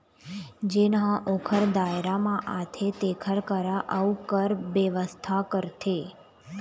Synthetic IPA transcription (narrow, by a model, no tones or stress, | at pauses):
d͡ʒenãʔokʰəɾd̪aeɾamãʔat̪ʰet̪ekʰəɾkəɾaʔəukəɾʋəʋəst̪ʰakəɾt̪ʰe